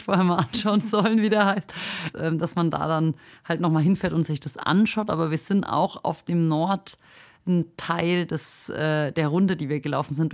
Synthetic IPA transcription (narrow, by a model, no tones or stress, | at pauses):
foːɐhɛɐmaːlʔanʃaʊənzɔlənviːdeːɐhaɪstʔɛːmd̥asmanda̰ːdanhaltnɔχmaːlɦɪnfɛːɐtʊntz̥ɪçd̥asʔa̰nʃaʊtʔa̰ːbɐviːɐz̥ɪntʔa̰ʊxa̰ʊfd̥eːmnɔɐt | ntʰaɪldɛsʔɛːd̥eːɐʁʊndədiːviːɐɡəlaʊfn̩zɪnt